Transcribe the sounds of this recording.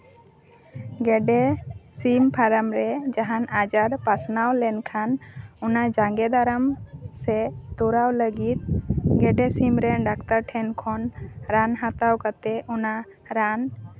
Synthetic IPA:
ɡɛɖɛsimpʰaɾamɾɛd͡ʒaɦanad͡ʒaɾpasnawlɛnkʰanunad͡ʒaŋɡɛd̪aɾəmsɛt̪uɾawləɡit̪̚ɡɛɖɛsimɾɛɖakt̪aɾʈʰɛnkʰɔnɾanɦat̪awkat̪ɛuna | ɾan

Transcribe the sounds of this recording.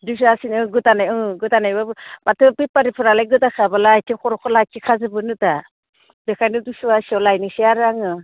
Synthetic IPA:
dus̬asinɯɡɯtanajɯɡɯtanajbamatʰɯbipaɾipʰɯɾalajɡɯtakʰabalaːjtʰiŋkʰɔɾɔkʰɔlakikʰazɯbɯnɯta | bekʰajnɯdusuwasiɔwlajnɯsiaɾaŋɯ

